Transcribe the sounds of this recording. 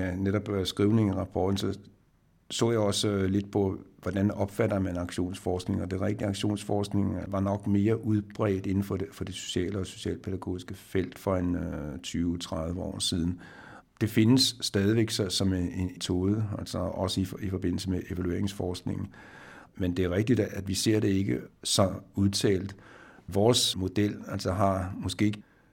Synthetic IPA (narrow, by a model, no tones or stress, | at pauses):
æneɾ̥ɒ̽b̥sɡ̥ʁiʊne̝ŋiʁɑ̈pʰɒ̰ːd̥n̩sɒ̽ | sɔ̰ːjäɒ̽sle̝d̥pʰɒ̽ʋɒd̥ænɒ̽b̥fædɐmænɑ̈ɡ̥ɕo̝̰ːnsfɒːsɡ̥ne̝ŋɐd̥e̝ʁɛɡ̥̚d̥iɑ̈ɡ̥ɕo̝̰ːnsfɒːsɡ̥ne̝ŋʋɑ̈nɒ̽ɡ̥me̝ːɐʔuð̞ˠb̥ʁɛ̰ːd̥e̝nn̩fɒ̽fɒ̽d̥e̝so̝̥ɕɛ̰ːləɒso̝̥ɕɛ̰ːlpʰeɾ̥æɡ̥o̝̰ːisɡ̥əfel̰d̥fɒ̽ent͡sʰyːʊt͡sʰʁaðˠʋəɒ̰ːsið̞ˠn̩ | d̥e̝fe̝nəsːd̥ɛːð̞ˠiʋeɡ̥sɒsɒ̽met͡sʰo̝ːð̞ˠəælsɒɒ̽səififɒ̽b̥e̝n̰l̩səmeʔe̝ʋælue̝ɐ̰eŋsfɒːsɡ̥ne̝ŋn̩mend̥e̝ɐʁɛɡ̥̚d̥id̥æd̥ʋise̝ɐ̰d̥e̝e̝ɡ̥əsɒ̽uðˠt͡sʰɛ̰ːld̥ʋɒːsmo̝d̥el̰ælsɒɦɑ̈mɔ̽sɡ̥e̝̰ːɡ